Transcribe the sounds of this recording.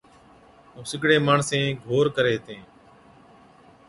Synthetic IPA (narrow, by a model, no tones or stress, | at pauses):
ɦũːsɪɡɽeːmaːɳsẽːɡʱoːɾkəɾeːt̪ʰẽː